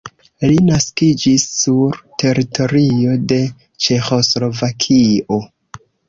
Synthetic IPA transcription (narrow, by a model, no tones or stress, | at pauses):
linaskid͡ʒisːuɾtʰe̞ɾitʰo̞ɾio̞de̞ | t͡ʃe̞xo̞slo̞vakʰio̞